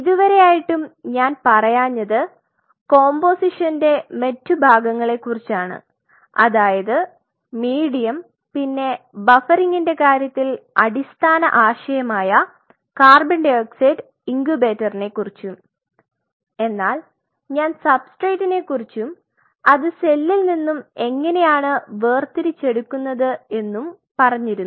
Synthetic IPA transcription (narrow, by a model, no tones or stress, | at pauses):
iðuʋɐɾe̞jaːjiʈːumɲaːnpɐrɐjaːɲːɐðɨ | ko̞ːmbo̞ːsiʂɐnde̞mɐtːubʱaːɡɐŋːɐɭe̞kːurit͡ɕːaːɳɨ̰ | ɐ̰ðaːjɐðɨ | miːɽijɐm | pinːe̞ | bɐfɐɾiŋɡinde̞kaːɾjɐt̪ːilɐɽist̪ʰaːnɐ̰ʔaːɕɐjɐmaːjɐ | kaːrbɐɳɖekseɖ | iŋɡube̞ːtːɐrine̞kːurit͡ɕːum | e̞nːaːl | ɲaːnsɐbsʈrejtːine̞kːurit͡ɕːum | ɐðɨse̞lːilninːume̞ŋːɐne̞jaːɳɨʋeːrt̪iɾit͡ɕːe̞ɽukːunːɐðɨe̞nːum | pɐrɐɲːiɾu